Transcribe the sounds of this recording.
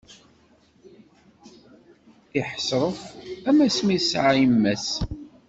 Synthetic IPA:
iħəsɾˤəfæmæsmisʕajmːæs

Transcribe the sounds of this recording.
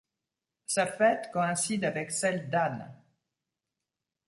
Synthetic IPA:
safɛt̪kɔɛ̃sid̪avɛksɛld̪an

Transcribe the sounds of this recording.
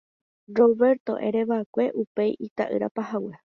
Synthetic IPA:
roβe̞ɾt̪o̞̰ʔe̞̰ɾe̞ʋaekʷe̞ʔupe̞jʔit̪a̰ʔɨ̰ɾa̰pahawe

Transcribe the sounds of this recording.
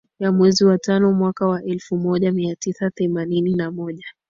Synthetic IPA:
jamwɛziwatanɔmwakawaʔɛlfumɔʄamiatisaθɛmanininamɔʄa

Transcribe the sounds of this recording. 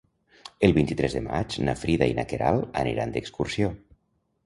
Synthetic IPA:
əlˠβint̪it̪ɾɛzðema̰t͡ʃnafɾiðainakeɾʔalˠanḭɾand̪ekskursjo

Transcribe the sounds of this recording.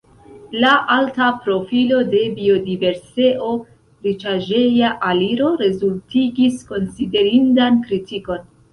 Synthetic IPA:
laʔaltapɾo̞filo̞de̞bio̞dive̞ɾseʔo̞ | ɾit͡ʃaʒe̞jaʔaliɾo̞ɾe̞zultiɡisko̞nside̞ɾindankɾitiko̞n

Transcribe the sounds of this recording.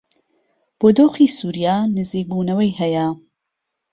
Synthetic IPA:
b̥oːd̪oːxiːsuːɾijaːnɨziːk̚buːnɐwɐjhɐjɐ

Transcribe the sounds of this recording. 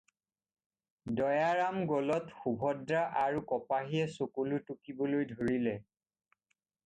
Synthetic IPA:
dɔjaɹamɡɔlɔtxubʱɔdɹaʔaɹukɔpaɦiɛsokulutukibɔlojdʱoɹilɛ

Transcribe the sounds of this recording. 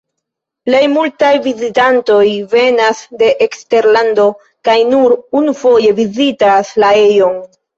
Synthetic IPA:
ple̞jmultajvizitanto̞jve̞nasde̞ʔekste̞ɾlando̞ | kajnuɾunufo̞je̞vizitaslae̞jo̞n

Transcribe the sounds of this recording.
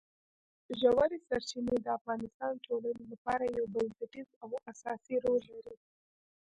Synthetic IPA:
ʒawaɾisaɾt͡ʃined̪əafɣɑnɪst̪ɑnʈʰolanelapɑɾajawbansɪʈizawasɑsiɾolːaɾi

